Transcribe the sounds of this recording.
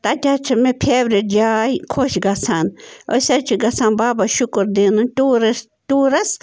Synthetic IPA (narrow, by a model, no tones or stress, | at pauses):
t̪at̪ʲat͡ʃʰamẽpʰjeβɾed͡ʒajkʰoʃɡasano̰sat͡ʃʰiɡasãnbabaʃukoɾd̪inũt̪ʲuɾas | t̪uɾas